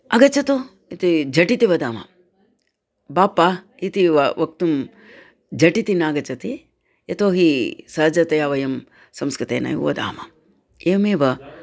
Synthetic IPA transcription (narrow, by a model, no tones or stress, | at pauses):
ɐɡɐt͡ʃɐt̪u | it̪id͡ʒʱɐʈit̪iʋɐd̪aːmɐ̰ | baːpːa | it̪iʋɐʋɐk̚t̪um | d͡ʒɐʈit̪inaːɡɐt͡ʃɐt̪i | jɐt̪oːɦisɐɦɐd͡ʒɐt̪ɐjaʋɐjɐm | sɐmskɾit̪ḛːna̰jṵʋɐd̪a̰ːmɐ̰ | eːmeːʋɐ